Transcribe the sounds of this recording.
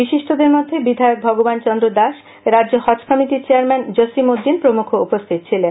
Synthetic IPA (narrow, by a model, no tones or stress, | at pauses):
biʃiʃʈʰod̪eɾmod̪ʱːebid̪ʱaeok̚bʱɔɡobant͡ɕɔnd̪ɾod̪aʃ | ɾadd͡ʑohɔt͡ɕkʰɔmiʈit͡ɕeaɾmɛnd͡ʑosimod̪ːinpɾomukʰoupost̪ʰit̪̚t͡ɕʰilen